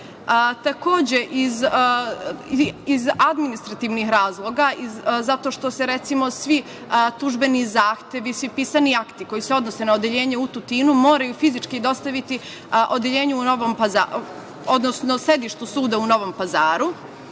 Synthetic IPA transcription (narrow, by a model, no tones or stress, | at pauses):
ət̪ako̞ːd͡ʑe̞ʔiz | izad̪minist̪ɾat̪iʋnixɾaːzlˠo̞ɡaizat̪o̞ʃt̪o̞se̞ɾet̪simo̞sʋi | t̪uʒbe̞nizaːxt̪e̞ʋisʋipiːsaniakt̪iko̞jise̞o̞d̪nose̞naod̪eʎe̞ːɲeut̪ut̪iːnumo̞ːɾajufizit͡ʃkid̪o̞st̪aʋit̪i | ʔo̞d̪jeʎe̞ːɲuuno̞ʋompaza̰ | o̞d̪nosnose̞d̪iʃt̪usuːd̪auno̞ʋo̞mpazaːɾu